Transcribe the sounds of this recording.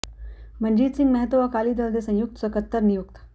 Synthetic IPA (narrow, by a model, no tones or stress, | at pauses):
məɳd͡ʑiːt͡siŋməɦət̪oʋakaliːd̪əld̪esə̃j̃juk̚t̪səkət̪ːəɾnijuk̚t̪